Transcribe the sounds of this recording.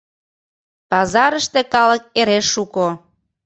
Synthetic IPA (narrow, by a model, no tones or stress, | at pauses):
pɑzɑɾəʃt̪ĕkɑlək̚eɾeʃːuko